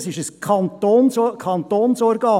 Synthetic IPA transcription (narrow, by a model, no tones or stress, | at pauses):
sɪʃəskʰɑnt̪onskʰɑnt̪oːnsɔɾɡɑː